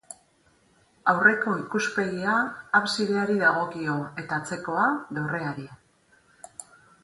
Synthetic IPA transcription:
awre̞ko̞ikuspe̞ɣiaːβsiðe̞aɾiðaɣ̞o̞kio̞e̞t̪at͡se̞ko̞aðore̞aɾi

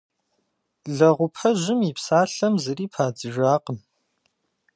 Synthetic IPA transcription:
ɮɐʁʷʊpʰɐʒɪmipsaːɬɐmzɨriːpʰaːd͡zɨʒʷaːqən

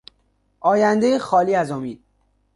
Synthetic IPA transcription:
ʔɒːjænd̪ejexɒːliːæzomiːd̪̥̚

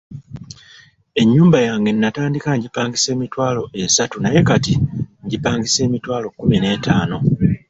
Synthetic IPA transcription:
e̞ɲːuːmbajaːŋɡe̞nːataːndikaɲɟipaːŋɡise̞ːmitwaːlo̞ʔesatunaje̞katiɲɟipaːŋɡise̞ːmitwaːlo̞kːumine̞ːtaːno̞

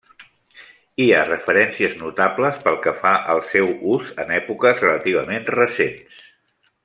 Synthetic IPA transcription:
iarəfəɾɛnsiəznut̪abləspəlˠkəfaʔəlˠsɛwuzənɛpukəzrələt̪iβ̞əmenrəsens

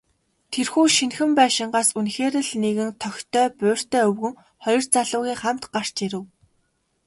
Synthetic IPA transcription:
t̪ʰerxuːʃinxɘ̆mpæːʃɪ̆ɴɢaːsunxeːɾɘ̆ɮneɣɘ̆nt̪ʰœxʲt̪ʰœːpʊːr̥t̪œːɵwɣɘ̆ŋ | χɔjɞ̆r̥t͡saɮʊːɣʲiːχam̥t̪ɢar̥t͡ɕiɾɘ̆w

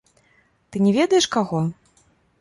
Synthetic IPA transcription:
t̪ɨnʲɛvʲɛd̪ɐjɛʂkaɣɔ

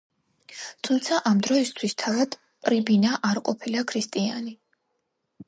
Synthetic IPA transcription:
t̪ʰumt̪sʰaʔamd̪ɾɔist̪ʰwist̪ʰavad̪̥ | pʼɾibinaʔaɾqʼɔpʰilakʰɾist̪ʼia̰ni

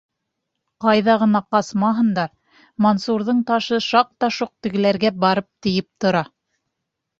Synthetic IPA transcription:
qɑjðɑʁɤ̆nɑqɑsmɑɦɤ̆nd̪ɑ | monsuɾðɤɴt̪ɑʃɤʃɑq̚t̪ɑʃuq̚t̪ɘ̆ɡɘ̆læɾɡæbɑɾɤp̚t̪ɘ̆jɘp̚t̪ŏɾɑ

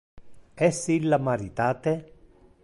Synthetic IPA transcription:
ɛsilːamaɾit̪aːt̪e

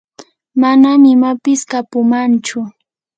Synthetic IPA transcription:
manamɪmapɪskapʊmant͡ʃʊ

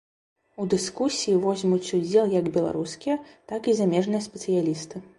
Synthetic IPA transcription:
ud̪ɨskusʲijivɔzʲmut͡sʲud͡zʲɛlˠjɐɡbʲɛlˠa̰ɾuskʲijɐt̪akizamʲɛʐnɨjɐsʲpʲɛt̪sɨjalʲist̪ɨ

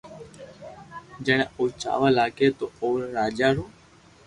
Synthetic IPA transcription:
d͡ʒəɳeuːt͡ʃa̰ːʋəːlaːkeːt̪oːoːɾɾaːd͡ʒaːɾuː

